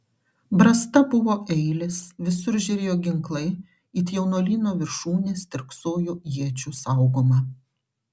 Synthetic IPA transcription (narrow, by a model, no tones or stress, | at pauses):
bɾɐst̪ɐbʊʋoːʔɛɪlʲɪsʋʲɪsʊɾʒʲɛɾʲeːjoːɡʲɪŋklˠɐɪ | ɪt̪ʲjɛʊnoːlʲiːnoːʋʲɪɾʃuːnʲeːst̪ʲɪɾksoːjuːjiɛt͡ʃʲusɑˑʊɡoːmɐ